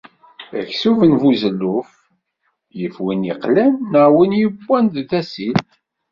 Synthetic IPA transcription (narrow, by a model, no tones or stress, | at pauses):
æ̰çsuvənvuzəlːuf | jəfwiniqlænːəʕwinjəbːænd̪ðæsil